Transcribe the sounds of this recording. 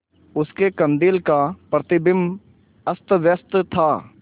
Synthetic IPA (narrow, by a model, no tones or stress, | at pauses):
ʊskekə̃nd̪ɪlkapɾət̪ɪbɪm | əst̪ʋjəst̪t̪ʰaː